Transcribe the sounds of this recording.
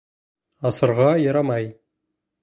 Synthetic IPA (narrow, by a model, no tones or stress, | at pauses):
ɑsəɾʁɑjɑɾɑmɑj